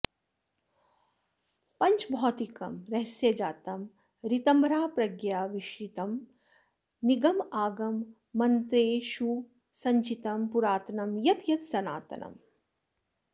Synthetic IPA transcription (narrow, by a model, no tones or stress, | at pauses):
pɐɲt͡ʃbʱɔːt̪ikɐ̰mɾɐɦsjɐd͡ʒaːt̪ɐm | ɾit̪ɐmbʱɾaːpɾɐɡjaːʋiʃjit̪ɐm | niɡɐmaːɡɐmː | ɐnt̪ɾeːʃu | sɐɲt͡ʃit̪ɐmpuɾaːt̪ɐnɐmjɐt̪jɐt̪sɐna̰ːt̪ɐ̰nɐ̰m